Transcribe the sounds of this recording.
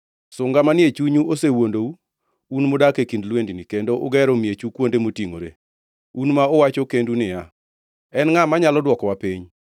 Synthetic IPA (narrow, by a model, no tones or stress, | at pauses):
sʊŋɡamanɪet͡ʃuɲuʔosewondou | unmodakekindlwendɪnɪkendoʔʊɡɛɾomjet͡ʃukwondemotiŋo̰ɾḛ | unmaɔwat͡ʃokendunɪja | ɛnŋamaɲalɔdwɔkɔwapiɲ